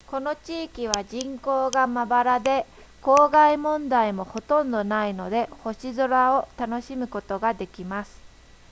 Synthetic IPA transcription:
ko̞no̞t͡ɕiːkʲiβ̞aʑĩŋko̞ːɡamabaɾad̪e̞ | ko̞ːɡaimõ̞nd̪aimo̞ho̞t̪õ̞nd̪o̞naino̞d̪e̞ho̞ɕizoɾao̞t̪ano̞ɕimɯ̟ko̞t̪o̞ɡad̪e̞kʲimasɨ̥

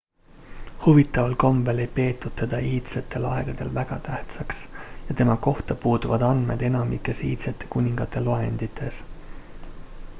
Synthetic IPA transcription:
huvit̪ːˑɑvolko̞mbe̞le̞jpe̞ːt̪ːˑud̪̥̚t̪ːe̞d̪̥ɑiːt̪set̪ːe̞lɑ̰e̞ɡ̥ɑd̪̥e̞lvæɡ̥ɑt̪æht̪sɑksjɑt̪e̞mɑko̞ht̪ɑpuːd̪uvɑd̪̥ɑnd̪me̞̰d̪̥e̞nɑmikːe̞sḭːt̪set̪ːˑe̞̥kunʲiŋɡ̥ɑt̪ːˑe̞lɑe̞̰nd̪̥it̪ʰːˑe̞s

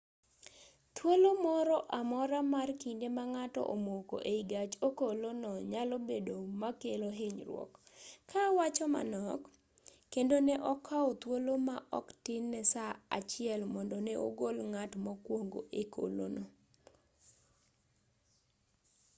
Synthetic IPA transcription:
t̪wolomɔɾɔʔamɔɾamarkindemaŋatɔ̰ʔomoko̰ʔeiɡat͡ʃokolonɔɲalobedomakeloɦɪɲrwɔ̰kʰːawat͡ʃɔma̰nɔkː | endonɛʔɔkʰaɔt̪wolomaʔɔ̰ktɪnːɛsaa̰t͡ʃɪɛlmɔndɔneʔo̰ɡolŋatmɔkwoŋɡo̰ʔekʰo̰lo̰nɔ

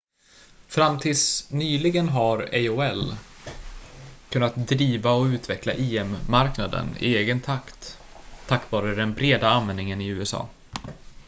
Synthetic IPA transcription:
fɾamːt̪ʰɪlsnyːlɪɡənɦaɾɛoːɛl | kʰɵnːat̪̚d̪ɾiːvaɔʉ̟ːt̪vɛkla̰ʔeːɛmːaɾknad̪ə̰nɪ̰eːɡənt̪ʰakt̪ʰː | akːvɑːɾəd̪ɛnbɾeːd̪aanvɛnd̪nɪŋənɪʉ̟ːɛsɑ̰ː

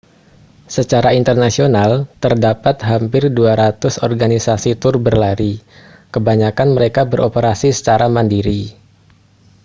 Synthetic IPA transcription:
sət͡ʃaɾaint̪ərnasionalt̪ərdapat̪̚ɦampɪrduaɾat̪ʊsɔrɡanisasit̪ʊrbərlaɾi | kəbaɲakanməɾekabəɾʔopəɾasisə̥t͡ʃaɾaməndiɾi

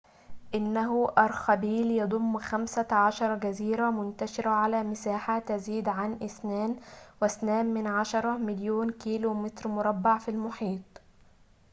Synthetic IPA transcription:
ʔɪnːæɦʊʔɑɾˤxæbiːljɑd̪ˤʊmːxæmsæʕaʃɑɾˤɑɡæziːɾæmʊnt̪æʃɪɾæʕalæːmɪsaːħat̪æziːd̪ʕanʔɪsnæːnwɪsnæːmːɪnʕaʃɑɾˤɑmɪljoːnkiːloːmɪt̪ɾmʊɾˤɑbːaʕfilmʊħiːt̪ˤ

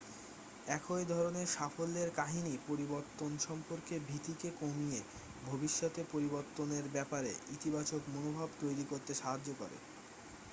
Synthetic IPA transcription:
ɛkʰoed̪ʱɔɾoneɾʃafolːeɾkaɦinipoɾiboɾt̪ːonʃɔmpoɾkebʱit̪ikekomije | bʱobiʃːot̪epoɾiboɾt̪ːoneɾbɛpaɾḛʔit̪ibat͡ɕokmonobʱabt̪ojɾikoɾt̪eʃaɦad͡ʑːokɔɾḛ

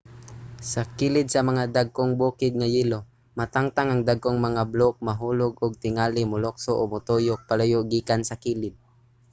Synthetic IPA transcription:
sɐkilɪd̪̚sɐmɐŋad̪aɡ̚koŋbuːkɪd̪̚ŋajilo | mat̪aŋt̪aŋaŋd̪aɡ̚koŋmɐŋablok̚mɐɦuːlʊɡʊɡ̚t̪ɪŋalɪmʊlok̚soʔomʊt̪ojʊk̚palajoɡiːkansɐkiːlɪd̪̚

